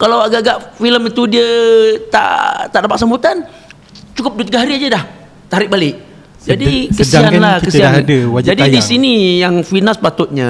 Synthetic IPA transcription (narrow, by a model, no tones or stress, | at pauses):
kalawaɡaʔɡaʔfiləmit̪udiət̪a̰ʔt̪aʔdapaksaəmbut̪an | t͡ʃukʊp̚duət̪iɡaɦaɾiad͡ʒadah | t̪aɾɪk̚balɪʔ | d͡ʒadikəsianlahkəsiadəd͡ʒd͡ʒadidisinijaŋfinaspat̪ʊt̪̚ɲa̰